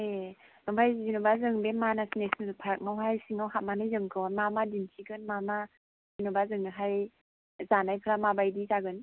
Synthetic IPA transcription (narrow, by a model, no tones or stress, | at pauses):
enɯmpʰajzizinubazɯŋbemanasnesnɯzɯpʰaɾk̚mawɦajsiŋawɦat̚manɯjzɯŋkʰɯwnmamadinsʰiɡɯnmama | zinɔbazɯŋɯɦaj | zanajpʰɾamabajdizaɡɯn